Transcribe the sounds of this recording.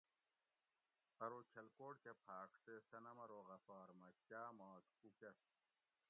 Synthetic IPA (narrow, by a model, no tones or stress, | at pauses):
pɐɾoːkʰɐlkoːʈkepʰaːkʈ̪esɐnɐmɐɾoːɣɐfaːɾmɐkjaːmaːt̪kukes